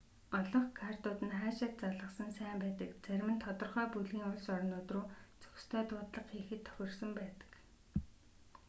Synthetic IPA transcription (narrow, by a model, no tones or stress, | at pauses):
ɔɮɞ̆ɴχkʰart̪ʊːt̪ɘ̆nχaːʃɪ̆t̪̚t͡saɮə̆qsə̆nsæːmpæːt̪ə̆kt͡sæɾʲmɘ̆nt̪ʰɔt̪ɞ̆rχœːpuɮɣiːŋʊɮsɔɾɞ̆nʊːt̪rʊːt͡sɵ̥xst̪ʰœːt̪ʊːt̪ɮə̆qːiːxɘ̆t̪ʰːœ̥xʲɪ̆rsə̆mpæːt̪ə̥̆k